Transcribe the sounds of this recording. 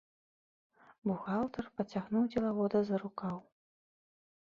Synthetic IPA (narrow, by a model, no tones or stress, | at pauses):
buɣalˠt̪ɐrpɐt͡sʲaɣnuwd͡zʲɛlˠavɔd̪ɐzɐɾukaw